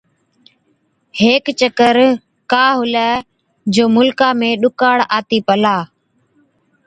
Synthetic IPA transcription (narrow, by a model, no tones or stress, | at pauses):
heːkt͡ʃəkəɾ | kaːɦʊlə | d͡ʒoːmʊlkaːmẽːɗʊkaːɽaːt̪iːpəlaː